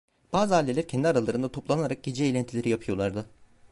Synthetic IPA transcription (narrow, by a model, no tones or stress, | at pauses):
b̥aːzɯɦalʲːelʲæɾcʰɛnd̪iaɾalˠaɾɯnd̪at̪ʰo̞plˠanaɾak̚ɟ̥ed͡ʒɛeːlʲænt̪ʰilʲeɾijapʰɯjo̞lˠaɾd̪ɯ